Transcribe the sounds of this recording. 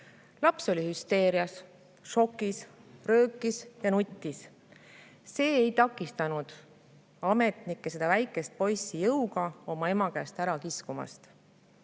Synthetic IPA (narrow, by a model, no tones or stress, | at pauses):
lɑpso̞lʲihyst̪e̞ːɾiɑs | ʃo̞kːˑisrø̞ːkːˑisjɑnut̪ʲːis | se̞ːejt̪ɑkːˑist̪ɑnud̪̥ | ɑme̞t̪nikːese̞d̪ɑvæjkːˑe̞st̪̚po̞jsijɤwɡ̥ɑo̞mɑe̞mɑkæːst̪æɾɑkiskumɑ̰st̪